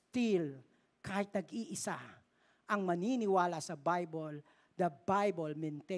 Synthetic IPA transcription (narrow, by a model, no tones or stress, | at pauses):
t̪il | kʰaːhɪt̪̚nɐɡiʔɪsa | ʔɐŋmɐninɪwaːlasɐbajbol | d̪ɐbajbolmɛnt̪e